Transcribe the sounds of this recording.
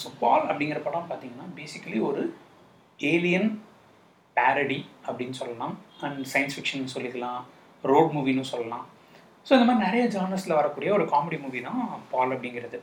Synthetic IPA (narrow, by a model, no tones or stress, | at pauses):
soːpaːlɐpːɐɽɪŋɡɪɾɐpoːʈːãːpaːɾt̪iːŋɡɐnːaːbeːsɪkːɐliɔɾɯ | eːlɪjɐn | paːɾɐɽiɐpːɐɽɪnːɯsɔlːɐlãːɐɳɖsɐjɐnsfɪkʂɐnːsɔlːɪðɐlãː | ɾoːɖmuːʋinʊ̃sɔlːɐlãː | soːɪnɐmaːɾinɪɾɐjɐd͡ʒaːnɐslɐʋɐɾɐkːuːɽɪjɐɔɾɯkaːmɛɽimuːʋiðãːpaːlɐp̬ːɐɽɪŋɡɪɾɐðɯ